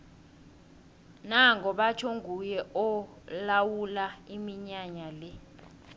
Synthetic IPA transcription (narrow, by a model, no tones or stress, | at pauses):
naŋɡɔɓat͡ʃʰoŋɡʱujɛʔɔ | lawulaimiɲaɲalɛ